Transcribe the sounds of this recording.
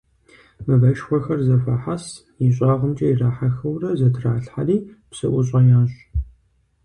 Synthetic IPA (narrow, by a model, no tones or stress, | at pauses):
mɨvɐʃxʷɔxɐrzɐfaːħas | jiɕʼɑːʁəmt͡ʃʼɐjiraːħaxɐwrɐzɐtʰraːɬħa̰riːpsɨ̰ʔʷʊɕʼɐjaːɕʼ